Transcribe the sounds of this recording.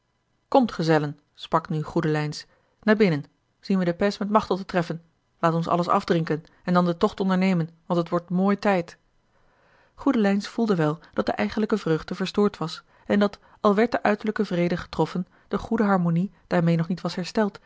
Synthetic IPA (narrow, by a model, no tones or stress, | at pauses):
kɔmtχəzɛlən | sprɑknyχudəlɛjns | naːɹbɪnən | z̥inʋədəpɛsmɛtmɑχtɔtətrɛfən | laːtɔnsɑ̰ləsɑ̰vdrɪŋkən | ɛndɑndətɔχtɔndəɹnejmənʋɑntətʋɔɹtmoːjtɛjt | χudəlɛjnsfulˠdəʋɛlˠd̥ɑt̚dəʔɛjχənləkəvrøɥχdəvəɹstʊːɹtʋɑs | ɛndɑt | ɑlˠʋɛɹt̚dəʔœɥtəɹləkəvrejdəχə̥trɔfən | d̥əχudəɦɑɹmonid̥aːɹmejnɔχnitʋɑsɦɛɹstɛlˠt